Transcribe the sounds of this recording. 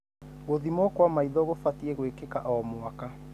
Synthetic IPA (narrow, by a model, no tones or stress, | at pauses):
ɣoðimɔkwamaiðɔɣofatieɣwekekaʔɔɔmoaka